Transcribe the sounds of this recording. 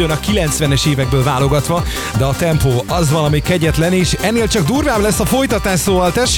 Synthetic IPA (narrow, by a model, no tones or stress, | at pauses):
ønɒkilɛnt̪sʋɛnɛʃeːvɛɡ̚bøːlvaːlo̞ɡɒt̪ʋɒ | d̪ɛɒt̪ɛmpoːɒzʋɒnɒmikːɛɟɛt̪lɛniːʃɛnːeːlt͡ʃɒɡd̪uːrvaːblɛsːɒfo̞jt̪ɒt̪aːʃoːvɒlt̪ɛʃ